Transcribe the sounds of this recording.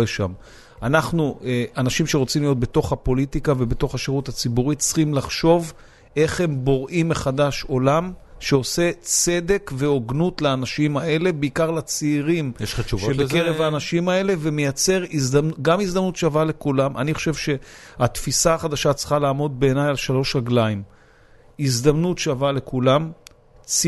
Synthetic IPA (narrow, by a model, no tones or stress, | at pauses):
eʃa̰m | anaχnueʔanaʃimʃe̞ʁo̞t͡simlijot̚be̞to̞χhapo̞litikave̞beto̞χhaʃeʁutat͡sibuʁitt͡sχimlaχʃo̞v | ʔe̞χhe̞mbo̞ʁʔimːeχad̪aʃo̞lamʃe̞o̞se̞t͡se̞d̪e̞kveo̞ɡnutleanaʃimae̞le̞beikaʁlat͡seːʁimjeʃaʃuʃebekeʁevaːnaʃimae̞le̞ve̞mejat͡se̞ʁizdamnuɡamizd̪amnutʃeavale̞kulamʔa̰niχo̞ʃe̞vʃe̞at̪fisaːχad̪aʃat͡sχalaːmo̞d̪̚be̞ːnajalʃalo̞ʃʁaɡlaim | izd̪amnutʃeavale̞kulam | t͡s